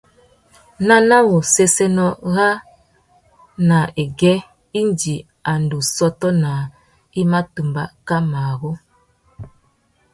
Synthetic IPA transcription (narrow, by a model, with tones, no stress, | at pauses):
na˦na˦wo˨se˦se˦nɔ˦ɣa˦ | na˨e˨ɡɛ˦ | i˦nd͡ʒi˨ | a˨ndu˨sɔ˦tɔ˦na˨ | i˦ma˦tu˨mba̰˨ka˦ma˨ɣo˦